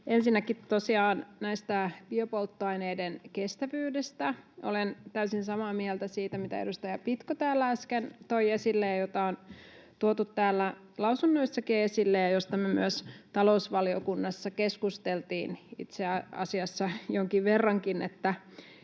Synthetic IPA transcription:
ensinːækit̪ːosiɑːnnæist̪æb̥iøpolt̪ːoɑjneidenkest̪æʋyːdest̪æʔo̰lent̪æysinsɑmɑːmielt̪æsiːt̪æmit̪æ̰ḛdust̪ɑjɑpit̪kot̪æːlːæɑskent̪ojesilːejjot̪ɑont̪uot̪ut̪tæːlːæ | lɑwsunːo̞isːɑkeesilːejjɑjost̪ɑmemy̰øst̪ɑlo̞usʋɑlio̰kunːɑsːɑkeskust̪elt̪iːnḭt̪seɑɑ̰siɑsːɑjoŋkiʋʋerːɑŋkinḛt̪ːæ

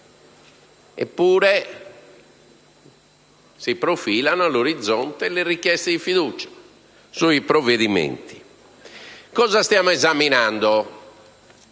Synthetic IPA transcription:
ɛ̰pːuːɾɛ | sipɾofiːlanoaloɾid̪zːɔnt̪ɛlɛrikːjɛst̪ɛd̪ifiðuːt͡ʃḁ | suipɾɔvːeðimḛnt̪i̥ | kɔːzast̪jaːmɔɛzaminand̪o

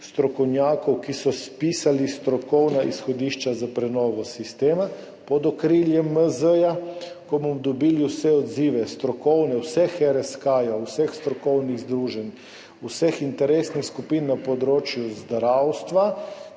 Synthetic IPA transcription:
st̪ɾɔkɔwnjaːkɔwkisɔspiːsalist̪ɾɔkɔwnaʔisxɔd̪iːʃt͡ʃazapɾɛnɔːʋɔsist̪eːma | pɔd̪ɔkɾiljɛməzəja | kɔbɔmd̪ɔbiliwsɛɔd̪ziːʋɛst̪ɾɔkɔwnɛwsɛxɛɾɛskaːjawsɛxst̪ɾɔkɔwniɣzd̪ɾuːʒɛn | usɛxint̪ɛɾesnixskupinːapɔd̪ɾoːt͡ʃjuzd̪ɾawst̪ʋa

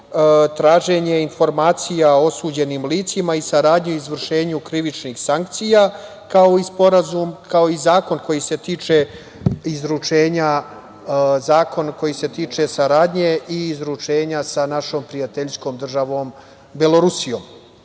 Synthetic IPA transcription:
t̪ɾaːʒe̞ɲe̞info̞ɾmaːt̪sijao̞suːd͡ʑe̞niːmliːt̪simaisaɾaːd̪ɲeizʋr̩ʃe̞ːɲukɾiʋit͡ʃnixsaŋk̚t̪sija | kao̞ispo̞ɾazumkao̞izaːko̞nko̞jise̞t̪iːt͡ʂe̞ | izɾut͡ʃe̞ːɲa | zaːko̞nko̞jise̞t̪iːt͡ʂe̞saɾaːd̪ɲe̞iːzɾut͡ʂe̞ːɲasanaʃo̞ːmpɾijat̪eʎsko̞ːmd̪r̩ʒaʋo̞ːm | beloɾusijo̞ːm

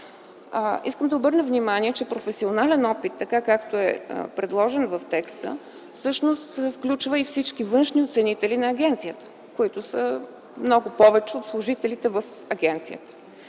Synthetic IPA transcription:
iskəmd̪ɐobɤɾnəvnimaniɛt͡ʃɛpɾofɛsionalɛnɔpit̪ːɐkakakt̪oɛ̰pɾɛd̪lˠɔʒɛnvəft̪ɛkst̪ə̰ | fsɤʃnost̪ɛfklʲut͡ʃvəifsit͡ʃkivɤnʃniot̪sɛnit̪ɛlinɐːɡʲɛnt̪sijət̪ə̥ | koit̪ʊsə | mnɔɡʊpɔvɛt͡ʃɛot̪slˠʊʒit̪ɛlit̪ɛvəf | ɐɡʲɛnt̪sijət̪ə̥

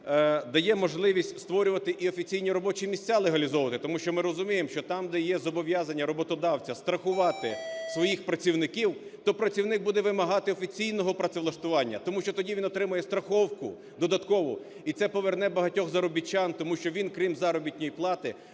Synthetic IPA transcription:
d̪ɐjɛmɔʒlˠɪʋʲisʲtʲst̪ʋɔɾʲʊʋɐt̪ɪʔiɔfʲit͡sʲijnʲiɾɔbɔt͡ʃimʲisʲtt͡sʲːalˠeɦɐlʲizɔʋɐt̪ɪt̪ɔmuʃt͡ʃɔmɪɾɔzʊmʲijemʃt͡ʃɔt̪ɑmd̪ɛjɛzɔbɔʋʲjazɐnʲːɐɾɔbɔt̪ɔd̪ɑwt͡sʲɐst̪ɾɐxʊʋɑt̪ɪsʋɔjixpɾɐt͡sʲiwnɪkʲiwt̪ɔpɾɐt͡sʲiwnɪk̚bud̪ɛʋɪmɐɦɑt̪ɪɔfʲit͡sʲijnɔɦɔpɾɐt̪seʋlˠɐʃt̪ʊʋɑnʲːɐ̰t̪ɔmuʃt͡ʃɔt̪ɔdʲiʋʲinɔt̪ɾɪmʊjɛst̪ɾɐxɔwkʊ | d̪ɔd̪ɐt̪kɔʋɔ | it̪sɛpɔʋernɛbɐɦɐtʲɔxzɐɾɔbʲit͡ʃːant̪ɔmuʃt͡ʃɔʋʲinkɾʲimzɑɾɔbʲitʲnʲɔjiplˠɑt̪ɪ

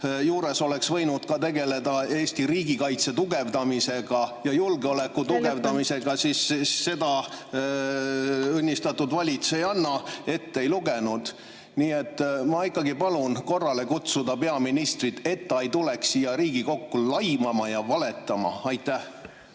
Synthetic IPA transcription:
juːɾe̞so̞le̞ksvɤ̞jnud̪̥kɑt̪e̞ɡe̞le̞d̪ɑe̞ːsʲt̪iɾiːɡikɑjt̪se̞t̪uɡe̞vd̪ɑmise̞ɡ̥ɑjɑjulɡeo̞le̞kːut̪uɡe̞vd̪ɑmise̞ɡ̥ɑsisːe̞d̪ɑ | ɤnʲːist̪ɑt̪ːˑud̪vɑlʲit̪sejɑnːɑe̞t̪ːe̞jluɡenud̪̥ | niːe̞t̪ːmɑikːˑɑɡipɑlunko̞rːɑle̞kut̪sud̪̥ɑpe̞ɑminist̪rit̪e̞t̪ːɑjt̪ule̞ksijɑɾiːɡ̥iko̞kːulɑjmɑmɑjɑvɑle̞t̪ːˑɑmɑ̰ɑjt̪ːˑæh

